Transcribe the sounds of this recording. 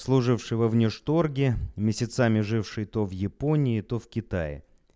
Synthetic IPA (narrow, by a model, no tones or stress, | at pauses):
slˠʊʐɨfʂɨjvɐvnʲɪʂt̪orɡʲɪmʲɪsʲɪt̪samʲɪʐɨfʂɨjt̪ovjɪpo̞nʲɪːt̪ofkʲɪt̪ajɪ̰